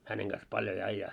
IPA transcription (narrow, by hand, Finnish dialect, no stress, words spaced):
hæneŋ ɡ̊ɑs pɑlj olʲ ɑĭjːɑː